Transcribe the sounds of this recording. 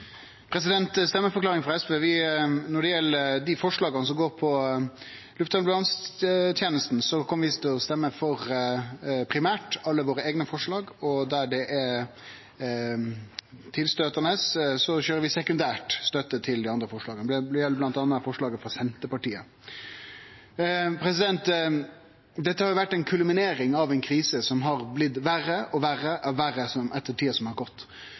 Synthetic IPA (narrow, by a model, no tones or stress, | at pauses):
pʰɾɛsɪd̪ɛnt̪st̪ɛmːəfɔɾklɑːʁɪŋfʁɑɛspeːʋɪnɔɖɛjɛlːəɾd̪ɪfɔʂɭɑːɡəɑnəs̬ɔmɡoːɾpʰɔ | lʉft̪ɑːnbʉlɑnst̪ʰjeːnəst̪nsɔkʰɔmːəʋɪst̪ʰɪɔst̪ɛmːəfɔɾ | pʰɾɪmæːʈɑlːəʋoːɾəeːɡnəfɔʂɭɑːɡɔd̪æɖɛʔɛ | t̪ʰɪlst̪øːt̪ənəssɔɕøːɾəɾʋɪsɛkʉnd̪æːʈst̪œt̪ːət̪ʰɪld̪ɛɑnd̪ɾəfɔʂɭɑːɡənb̪b̪ɪjɛlːəblɑnt̪ɑːnːəfɔʂɭɑːɡəfɾɑsɛnt̪əpɑʈiːə | pʰɾɛsɪd̪ɛnt̪ | d̪ɛt̪ːəhɑɾjʊʋæʈːɛɪnkʰʉlmɪneːɾɪŋɑʋɛɪnkʰɾiːsəsɔmɦɑɾblɪt̪ːʋæɾəʔɔʋæɾəʔɑʋæɾəsɔmɛt̪ːəʈʰiːəsɔmhɑɾɡɔt̪ː